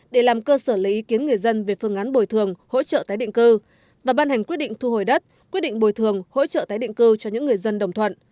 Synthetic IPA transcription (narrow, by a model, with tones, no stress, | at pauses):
ɗe˧˩laː˨˩mkəː˧səː˧˩li˨˦ʔi˨˦ki˨˦ənŋɨ˨˩əjzə˧nve˨˩fɨ˧əŋʔaː˨˦nɓo˨˩jt̪ʰɨ˨˩əŋho̰˧˥t͡ɕə̰ː˧˨t̪aː˨˦jɗḭ˧˨ŋ̟kɨ˧ | vaː˨˩ɓaː˧nha˨˩jŋ̟kwət̚ɗḭ˧˨ŋt̪ʰu˧ho˨˩jɗə˦˥t̚kwi˦˥t̚ɗḭ˧˨ŋ̟ɓo˨˩jt̪ʰɨ˨˩əŋho̰˧˥t͡ɕə̰ː˧˨t̪aː˨˦jɗḭ˧˨ŋ̟kɨ˧t͡ɕɔ˧ɲɨ̰˧˥ŋːɨ˨˩əjzə˧nɗə˨˩wŋ͡mt̪ʰwə̰˧˨nʔ